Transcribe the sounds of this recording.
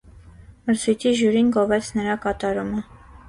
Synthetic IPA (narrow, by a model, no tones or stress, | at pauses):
məɾt͡sʰujt̪ʰiʒjuɾinɡɔvɛt͡sʰnəɾɑkɑt̪ɑɾumə